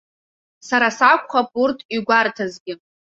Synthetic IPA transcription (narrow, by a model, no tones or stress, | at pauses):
saɾasakʷʼχapʼurtʰʼiɡʷartʰazɡʲɪ